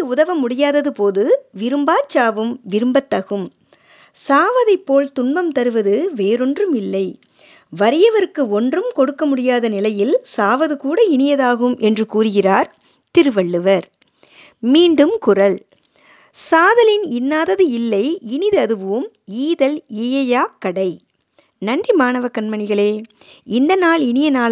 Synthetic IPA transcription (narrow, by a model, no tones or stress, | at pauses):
ɯʊðɐʋɐmːʊɽɪjaːðɐðɯpoːðɯʋɪɾɯmbaːt͡ʃːaːʋɯmʋɪɾɯmbɐt̪ːɐɣɯm | saːʋɐðɐɪpːoːlt̪ʊɳbɐmt̪ɐɾɯʋɐðɯʋeːɾɔndrɯmɪlːɐɪ | ʋɐɾɪjɐʋɐɾɯkːɯɔndrɯmkɔɽɯkːɐmʊɽɪjaːðɐnɪlɐjɪlsaːʋɐðɯkuːɽɐɪnɪjɐðaːɣɯmʔɛndrɯkuːrɯɣɪraːɾ | t̪ɪɾɯʋɐɭːɯʋɐɾ | miːɳɖɯmkʊrɐɭ | saːðɐlɪnɪnːaːðɐðɯɪlːɐɪɪnɪðɯɐðɯʋɯɯmiːðɐlɪjɐjaːkːɐɽɐɪ | nɐɳdrimaːɳɐʋɐkːɐɳmɐɳɪɣɐɭeːɪnd̪ɐnaːɭɪnɪjɐnaː